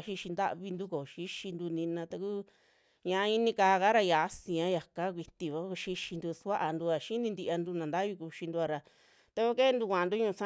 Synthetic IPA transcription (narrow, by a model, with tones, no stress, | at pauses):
ʃi˧ʃi˧nd̪a̰˦ʔβi˧nd̪u˦ko˨ʃi˦ʃi˧nd̪u˧nĩ˧nã˧t̪a˧ku˦ | ɲã˧i˦nĩ˧kaː˧ka˦ɾa˧ja˨˦sĩ˧ã˨˦ja˨ka˦k̬ʷi˧t̪i˧βa˧˦˧ʃi˧ʃi˧nd̪u˧sa˦ʔa˧nd̪u˧a˨ʃi˦nĩ˧nd̪i˧ʔa˧nd̪u˧nã˨nd̪a˦βi˧ku˧ʃi˧nd̪u˧a˧ɾa˧ | t̪a˧kʷo˦ke˦˧nd̪u˧kʷã˨a˧nd̪u˦ɲũ˧sã˦